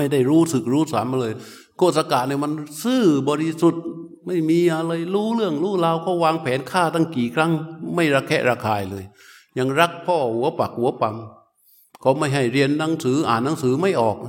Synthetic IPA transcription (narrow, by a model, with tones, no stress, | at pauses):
ma˥˩jda˥˩jɾuː˦˥sɯ˨˩k̚ɾuː˦˥saː˨˦ma˧lɤː˧j | kʰoː˥˧˩t̪̚sa˧kaː˨˩t̪̚na˧˩ma˧nsɯː˥˩bɔː˧ɾi˧su˨˩t̪̚ | ma˥˩jmiː˧ʔa˧laː˧jɾuː˦˥lɯ˥˩əŋɾuː˦˥˩laː˧wkʰa˧˩waː˧ŋpʰɛː˨˦nkʰaː˥˩t̪ʰa˥˩ŋkiː˨˩kʰɾa˦˥ŋma˥˩jɾa˧˥kʰːɛ̰˧˥ʔɾaː˧kʰaː˧jlɤː˧j | ɲa˧ŋɾa˦˥k̚pʰɔː˥˩hu˨˦ɐpa˨˩k̚hu˨˩˦ɐpa˧m | kʰa˨˧˥ma˥˩jɦa˥˩jɾi˧ənːa˨˧˦ŋsɯː˩˦ʔa̰ː˨˩nːa˨˦ŋsɯː˩˦ma˥˩jʔɔː˨˩k̚